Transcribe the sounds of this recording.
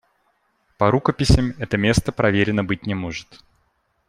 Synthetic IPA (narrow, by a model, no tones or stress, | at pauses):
pɐɾukəpʲɪsʲɪmɛt̪əmʲe̞st̪əpɾɐvʲeɾʲɪnːəbɨt̚ʲnʲɪmoʐɨt̪